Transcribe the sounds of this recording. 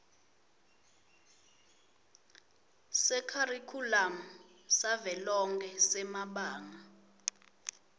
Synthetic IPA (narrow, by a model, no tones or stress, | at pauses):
sɛkʰarikʰulamɔ | savɛlɔŋkʰɛsɛmaɓaːŋa